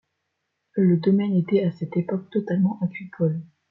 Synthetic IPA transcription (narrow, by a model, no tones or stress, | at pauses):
ləd̪ɔmɛnet̪ɛasɛt̪epɔk̚t̪ɔt̪almɑ̃ʔaɡikʰɔl